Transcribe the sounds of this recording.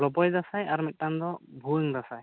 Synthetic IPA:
lɔpɔjd̪asajaɾmɛt̚ːand̪ɔbʱuɛŋd̪asaj

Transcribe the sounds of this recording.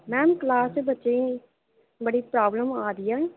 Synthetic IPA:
mɛ̃ːmklaːsbətːʃẽː | bəɽiːpɾaːbləmaːd̪ɪjãː

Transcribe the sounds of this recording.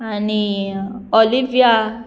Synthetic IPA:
anĩolivia

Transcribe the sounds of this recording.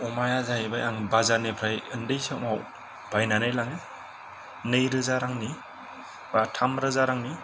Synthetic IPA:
umajazajibajaŋbazanepʰɾajɯndɯjsɯmaw | bajnanɯjlaŋi | nɯjɾɯzaɾaŋni | batʰamɾɯzaɾaŋni

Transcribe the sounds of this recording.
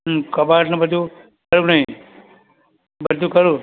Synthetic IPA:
kɐbasnɐbəd̪ʱu | kəɾũnɐɦĩ | bəd̪ʱukəɾũ

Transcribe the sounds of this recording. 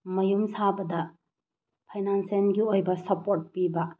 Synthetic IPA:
mɐjumsabɐdɐ | pʰajnansenɡiojbɐsɐpoɾt̚pibɐ

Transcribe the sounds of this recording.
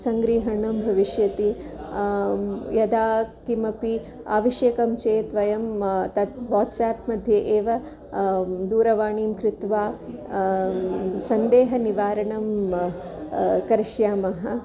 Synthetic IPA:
sɐŋɡɾiːɦɐɳɐmbʱɐʋiʃjɐt̪i | jɐd̪aːkimɐpi | a̰ːʋɐʃjeːkɐmt͡ʃeːt̪ʋɐjɐmt̪ɐt̪ʋaːʈsaːpmɐd̪ʱjɐʔeːʋɐ | d̪uːɾɐʋaːɳiːmkɾɪt̪ʋaː | sɐnd̪eːɦɐniʋaːɾɐɳɐm | kɐɾiʃjaːmɐɦɐ

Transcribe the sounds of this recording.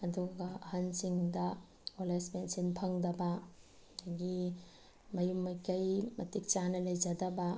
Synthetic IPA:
ɐduɡɐɐhansiŋdɐ | olespensinpʰɐŋdɐbɐ | ɡi | mɐjumːɐjkɐjmɐtik̚t͡ʃanɐlɐjd͡ʒɐdɐbɐ

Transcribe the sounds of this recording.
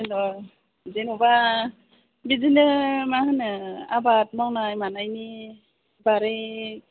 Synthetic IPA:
nɔ | zenɔba | bizinɯmaɦɯnɯa̰bat̚mawnajmanajni | baɾe

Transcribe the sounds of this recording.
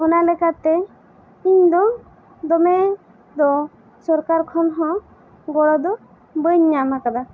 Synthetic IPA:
ɔnalɛkat̪ɛ | iɲd̪ɔ | d̪ɔmɛ | d̪ɔ | sɔɾkaɾkʰɔnɦɔ̃ | ɡɔɽɔd̪ɔ | bəɲːamakad̪a

